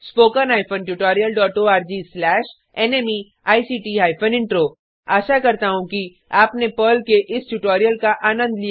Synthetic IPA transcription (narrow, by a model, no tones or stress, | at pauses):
spoːkənaːɪpʰə̃nʈʊʈɔːɾijəlɖɔːʈoːaːɾd͡ʒiːslɛːʃ | ɛneːmi | aːisiːʈiːaːɪpʰənɪ̃ɳʈɾoː | aːʃakɐɾt̪aɦũki | aːpnepəːlkeʔɪsʈjʊʈɔːɾijəlkaʔaːnə̃nd̪lija